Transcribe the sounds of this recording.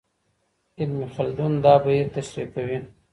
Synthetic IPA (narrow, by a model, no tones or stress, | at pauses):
ɪlmixald̪und̪ɑbajet̪aʃɾikawi